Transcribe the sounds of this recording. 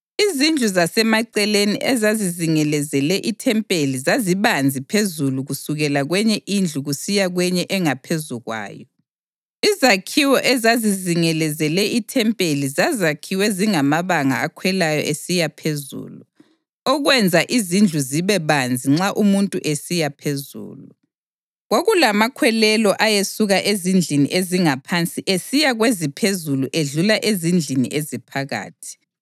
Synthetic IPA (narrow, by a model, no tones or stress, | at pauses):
izind͡ɮʱuzasɛmaǀɛleniʔɛzaziziŋɛlɛzɛlɛʔitʰɛmpʼelizaziβand͡zʱipʰezuluɣusuɣɛlaɣwɛɲɛʔind͡ɮʱuɣusijaɣwɛɲɛʔɛŋapʰezuɣwa̰ːjɔ | izakʰiwɔʔɛzaziziŋɛlɛzɛlɛʔitʰɛmpʼelizazakʰiwɛziŋamaβaŋa̰akʰwɛlajɔ̰ʔesijapʰezṵːlu | ɔɣwɛnd͡zʱaʔizind͡ɮʱuziβɛβand͡zʱiŋ͡ǁaʔumuntʼuʔesijapʰezṵːlu | ɣoɣulamakʰwɛlɛlɔʔajesuɣaʔezind͡ɮʱiniʔeziŋapʰant͡sʼiʔesijaɣwezipʰezuluʔeɮulaʔezind͡ɮʱinḭʔezipʰaɣa̰ːtʰi̥